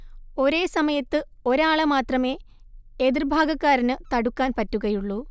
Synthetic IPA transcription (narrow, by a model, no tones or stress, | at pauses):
o̞ɾe̞ːsɐmɐjɐt̪ːɨ | o̞ɾaːɭɐmaːt̪rɐme̞ː | eðirbʱaːɡɐkːaːɾinɨt̪ɐɽukːaːnpɐtːuɣɐjuɭːu